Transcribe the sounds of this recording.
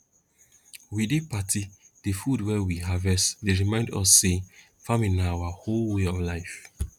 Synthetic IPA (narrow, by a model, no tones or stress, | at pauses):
widepatʰi | d̥efudwɛwiɦavɛsdeɹimãɪ̃ndɔ̰sːe | famĩnaawaholweɔvlaɪf